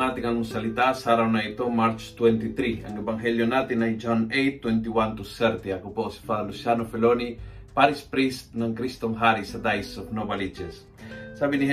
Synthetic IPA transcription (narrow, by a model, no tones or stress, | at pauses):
ŋat̪ɪŋɐŋmʊsɐlit̪asaɾawnɐit̪omaɾt͡ʃt̪wɛnt̪it̪ɾiɐŋɛbaŋɦɛljonat̪ɪŋnajd͡ʒonejt̪ːwɛnt̪iwant̪usɛɾt̪iɐkuposi̥falusjanofɛlonipaɾispɾist̪nɐŋkɾist̪oŋɦaɾisɐd̪ajsofnobalid͡ʒɛs | sabinih